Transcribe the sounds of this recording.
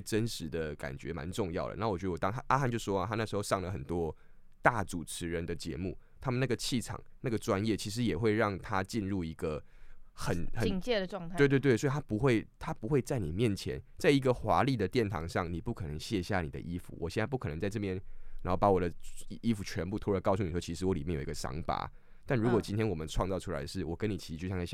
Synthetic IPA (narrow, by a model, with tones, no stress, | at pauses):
ʈ͡ʂə˦nʂɻ̩˧˦d̪ə˧ka̰˨˩nt͡ɕɥɛ̰˧˥ma̰˧˦nʈ͡ʂʊ˥˧ŋjɑ˥˩ʊlə̰˦na˥˩wt͡ɕɥ̪ə˧wɔ˨˩t̪ɑ˥ŋa˥ʔa˥xa˥˧nt͡ɕjʂʂwɔ˦˥˨tʰa˥na˥˩ʂɻ̩˧˥xo˥˧ʂɑ˥˩ŋlə˩xə˨˩nt̪wɔ˦ | t̪a˥˩t͡su˨˩ʈ͡ʂʰɻ̩˧˥ɻə˧˦nd̪ə˨t͡ɕjɛ̰˧˥mu˥˩t̪ʰa˥mə˨na˥˩ɡə˩t͡ɕʰi˥˩ʈ͡ʂʰɑ̰˨˩˦ŋna˥˩ɡə˩ʈ͡ʂwa˦˥njɛ˥˩t͡ɕʰi˧˥ʂ̬ɻ̩˧˦jɛ˨˩xwe˥˧ɪɻɑ˥˩ŋt̪ʰa˦t͡ɕi˥˧nɻu˥˩i˧˥ɡə˨xə˨˦nxə˨ŋt͡ɕɛ˥˧ə˩˥˧ŋt̪ʰwt̪̬we˥˧t̪we˥˩swi˨˩t̪ʰa˥pu˧˥xwe˥˩ɪt̪ʰa˥pu˧˥xwe˥˧ɪt͡sa˥˩ɪni˨˩mjɛ˥˨˩nt͡ɕʰjɛ̰˧˦nt͡sa˥˩ɪi˧˥ɡə˨xwa˧˥˦li˥˩d̪ə˩t̪jɛ˥˩nt̪ʰɑ̰˧˥ŋʂɑ˥˩ŋni˨˩pu˥˩kʰɤ˨˩nə˧˦ŋɕjɛ˥˧ɕja˥˩nḭ˨˩d̪ə̰˦ʔi˦˥fṵ˨wɔ˨˩ɕjɛ˥˧n˥˧pu˥˩k̪ʰə˧˦ŋt͡sa˥˧ɪʈ͡ʂɤ˥˧pjɛ˥˩nna˧˦nxo˥˩ʊpa˥wɔ˨˩d̪ə˦i˦˥fu˨˩t͡ɕʰɥɛ˧˦˥npu˥˧t̪ʰkɑ˥˧ʊs̬u˩i˨˩ʂwt͡ɕʰi˧˥ʂɻ̩˧˥wɔ˧˦li˨mjɛ˥˩njo˨˩˨i˧ɡə˧ʂɑ̰˧˥ŋpa̰˧˥ | t̪a˥˩nɻu˧˥kwɔ˨˩t͡ɕi˥nt̪ʰjɛ˥nwɔ˨˩mə˨˦nʈ͡ʂʰwɑ˥˧ŋt͡sɑ˥˩ʊʈ͡ʂʰu˥la̰˧ɪd̪ə˦ʂɻ̩˥˩wɔ˨˩kə˦˥ni˨˩t͡ɕʰi̥˧˥˧t͡ɕjɕja˥˩˨